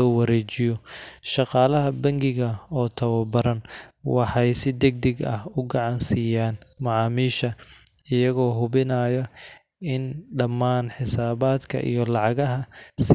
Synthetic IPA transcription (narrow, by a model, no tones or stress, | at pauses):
ɔːwɑɾɛːt͡ʃɪjɔʃɑqɑːlɐɦɐbɐŋɡɪɣɐɔːt̪ʰɐwɐbɐɾɐnwɑħɑjsɪd̪ɛɡ̚d̪ɛɡɐhʊɡɑʕɑnsɪjaːnmɑʕɑːmiːʃɐɪjɐɣɔːɦʊβɪnaːjɔ | ɪnɖɐmːaːnħɪsaːβaːd̪kʰɐ̰ʔḭjɔlɑʕɑɣɐɦɐs